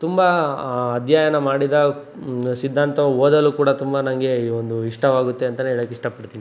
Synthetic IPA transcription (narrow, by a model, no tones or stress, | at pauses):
t̪umbɐɐd̪ʱjaːjɐnɐmaːɽid̪ɐ | sid̪ʱːaːnt̪ɐʋoːd̪ɐlːuːkuːɽɐt̪umbɐnɐŋɡe̞iːond̪uiʂʈɐʋaːɡut̪ːe̞ɐnt̪ɐneeɭɐkːeiʂʈɐpɐɽt̪ini